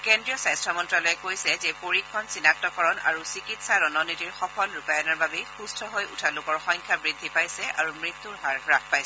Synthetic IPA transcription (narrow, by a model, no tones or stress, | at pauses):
kɛndɹijɔsajstɹɔmɔntɹalɔjɛkojsɛzɛpoɹikʰːɔnsinak̚tɔkɔɹɔna̰ɹusikitsaɹɔnɔnitiɹxɔpʰɔlɹupajɔnaɹbabɛxustʰɔɦojutʰalʊkɔɹxɔŋkʰabɹid̪ʱːipajsɛa̰ɹumɹit̪ːuɹɦaɹɹak̚ʰpajsɛ